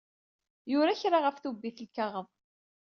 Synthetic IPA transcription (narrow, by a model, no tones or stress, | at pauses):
jʊɾaçɾaʁəfθubːiθəlkaʁəm